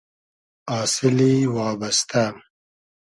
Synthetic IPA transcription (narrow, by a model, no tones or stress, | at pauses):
ɑːsɪliwɑːbast̪am